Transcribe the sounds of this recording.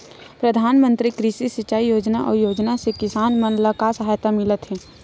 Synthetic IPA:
pɾəd̪ʱaːnmə̃nt̪ɾikɾiʃisɪt͡ʃːaːijoːd͡ʒnaʔɔ̰ːɾjoːd͡ʒnasekɪsaːnmənləkasəɦaːjt̪amɪlət̪ɦɛː

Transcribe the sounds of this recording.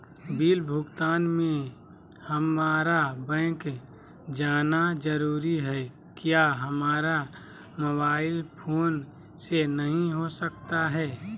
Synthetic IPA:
biːlbʱʊɡt̪aːnmẽ | həmaːɾabɛ̃ːk | d͡ʒaːnad͡ʒəɾuːɾiɦɛ | kjaːɦəmaːɾa | moβaːɪlpʰoːn | senəɦĩɦosəkt̪aɦɛː

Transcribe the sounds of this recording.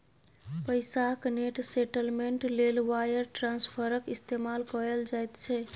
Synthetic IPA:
pəjsakneʈseʈəlmeɳʈlelwajəɾʈɾãnspʰəɾəkist̪emalkɔɾeld͡ʒajt̪t͡ʃʰɛ

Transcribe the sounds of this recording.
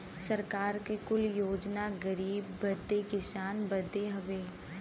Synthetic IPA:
səɾkaːɾkekʊljoːd͡ʒnaɡəɾiːbːəd̪ekɪsaːnbəd̪eɦəʋeː

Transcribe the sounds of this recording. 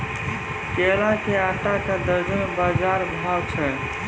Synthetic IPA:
kelakeat̪akad̪əɾd͡ʒənbad͡ʒaɾbʱaɡt͡ʃʰɛ

